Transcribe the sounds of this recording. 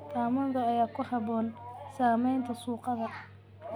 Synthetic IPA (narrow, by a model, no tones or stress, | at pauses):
t̪ʰaːmɐnðɐːjaːkʰʊhɑβɔːnsaːmɛjnt̪ʰɐsuːqɑðɐ